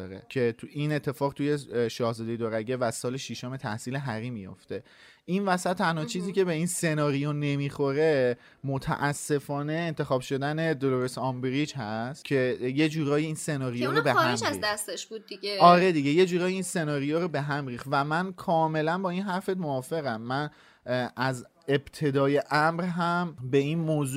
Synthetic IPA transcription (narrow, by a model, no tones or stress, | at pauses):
ɒ̰ɾḛcʰe̞t̪ʰine̞t̪ʰːe̞fɒːɣt̪ʰuje̞ʃɒːhzɒːd̪ejed̪oɾæɟevæzsɒːleʃiʃome̞t̪ʰæ̰hsiːleɦæɾiːmːijo̞̰ft̪e̞ | ʔinvæsæt̪̚t̪ːʰænhɒt͡ʃʰiːziːcʰe̞be̞inse̞nɒːɾijone̞miːxoɾe̞ | mo̞t̪ʰæ̰ʔæsːe̞fɒːne̞ent̪ʰe̞xɒːbʃo̞d̪æne̞d̪oloɾosɒmbɾid͡ʒhæscʰe̞je̞d͡ʒuːɾɒːjiiːnse̞nɒːɾijoɾobeɦæʃæzid̪æst̪eʃbud̪ːiɡeɒːɾe̞d̪iɟe̞je̞d͡ʒuːɾɒːjiinse̞nɒːɾijoɾobe̞ɦæmɾiːχt̪væmænkʰɒːme̞lænbɒːinɦæɾfet̪moɒːfe̞ɣæmːæn | æz | e̞b̥t̪ʰe̞d̪ɒːje̞ʔæmɾɦæmbe̞inmoːzu